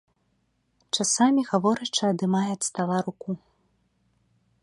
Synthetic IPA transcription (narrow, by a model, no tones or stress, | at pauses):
t͡ʂasamʲiɣavɔɾɐt͡ʂɨɐd̪ɨmajɛt̪st̪avaɾuku